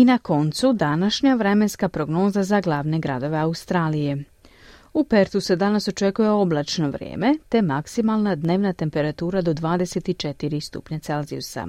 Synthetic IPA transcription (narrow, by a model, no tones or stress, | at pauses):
inako̞nt̪sud̪anaʃɲaʋɾe̞me̞nskapɾo̞ɡno̞ːzazaɡlˠaːʋne̞ɡɾad̪o̞ʋe̞aust̪ɾaːlije̞ | upe̞ɾt̪use̞d̪anaso̞t͡ʃe̞kuje̞o̞blˠat͡ʃno̞ʋɾjḛːme̞t̪e̞maksimalˠnad̪ne̞ːʋnat̪e̞mpe̞ɾat̪uːɾad̪o̞d̪ʋaːd̪eset̪it͡ʃe̞t̪iɾist̪ṵpɲat̪se̞lzḭusa̰